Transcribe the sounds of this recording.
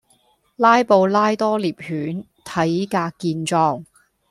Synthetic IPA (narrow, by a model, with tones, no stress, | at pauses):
laː˥jpo˧wlaː˥jt̪ɔː˥liː˨p̚hyː˨˥n | t̪ʰɐ˨˥jkaː˧kːiː˧nt͡ʃɔː˧ŋ